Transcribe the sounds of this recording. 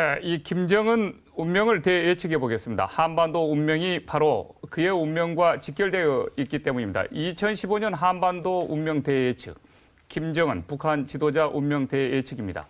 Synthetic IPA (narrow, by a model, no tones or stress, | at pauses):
neikimd͡ʑʌŋɯn | ummjʌŋɯɭte̞et͡ɕʰɯɡe̞boɡe̞s͈ɯmɲida̰hanbandoumːjʌŋipaɾokɯe̞ummjʌŋɡwat͡ɕik͈jʌɭde̞jʌik͈̚it͈e̞muɲimɲida̰it͡ɕʰʌnɕʰiboɲʌnɦanbandoumːjʌŋte̞et͡ɕʰɯ̰k̚ | kimd͡ʑʌŋɯnpukʰant͡ɕidod͡ʑaʔumːjʌŋte̞et͡ɕʰɯɡimɲida̰